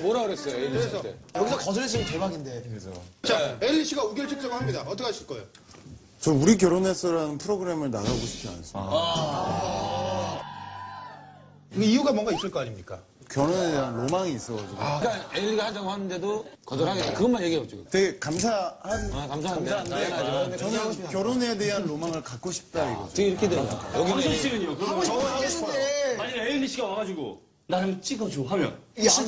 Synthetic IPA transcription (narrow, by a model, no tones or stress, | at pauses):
moɾaɯɾʌs͈ʌjoeɯɾesʰʌejʌɡisʰʌkʌd͡ʑʌed͡ʑʰiɯkemaɡinde̞ɾed͡ʑʌ̰t͡ɕaeʎːiɕʰiɡauɡjʌɭt͡ɕʰɯk̚t͡ɕ͈ʌɡɯɭhamɲidaʌt͈ʌkʰaaɕ͈ʰiɭk͈ʌejo | t͡ɕʌuɾik̬jʌɾone̞s͈ʌɾanɯnpʰɯɾoɡɯɾe̞mɯɭna̰ɡaɡoɕʰi̥p̚ʰʌa̰nas͈ | kɯɡeiuɡamwʌŋɡais͈ɯɭk͈ʌaɲimɲik͈a̰ | kjʌnonedeanlomaŋiːs͈ʌɡad͡ʑiɡoak͈aeɭiɡahand͡ʑaɡoɦanɯnde̞dokʌdʌnɦaɡet͈ːakɯɡʌnmanjeɡieb̚d͡ʑiɡoteɡekams̬ʰahankamsʰaɦanmsʰaɦnddet͡ɕʌnɯnkjʌɾone̞de̞ɦanlomaŋɯɭkak̚k͈oɕʰi̥p̚t͈aiɡʌ̰ɯiɾʌkʰedekajʌɡinsʰʌɕ͈iɾɯɲiokɯɾʌmʌʌeemaɲimeiiɕʰiɡaaɡad͡ʑiɡo̰ | naɾɯt͡ɕ͈iɡʌd͡ʑoɦamjʌ̰n